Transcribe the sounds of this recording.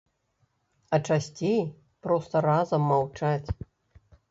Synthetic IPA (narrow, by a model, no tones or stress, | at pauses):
ɐt͡ʂasʲt͡sʲej | pɾɔst̪ɐɾazɐmːawt͡ʂat͡sʲ